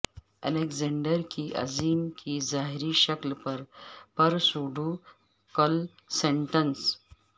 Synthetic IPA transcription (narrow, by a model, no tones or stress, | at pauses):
ɛ̰lekd͡zeɳɖəɾkiːʔə̰d͡ziːmkiːd͡zaɦiɾiːɕəklpəɾpəɾsoɖʱu | kəl | sẽɳʈəns